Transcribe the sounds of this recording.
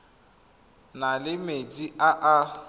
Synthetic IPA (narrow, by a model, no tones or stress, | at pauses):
nalɪmediʔaʔa